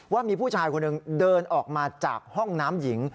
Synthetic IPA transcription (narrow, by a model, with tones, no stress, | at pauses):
waː˥˩miː˧pʰuː˥˩t͡ɕʰaː˧jkʰo˧nʔɯ˧ŋdɤː˧nʔɔː˨˩k̚maː˧t͡ɕa̰ː˨˩k̚hɔ˥˩ŋnaː˦˥mji˩˦ŋ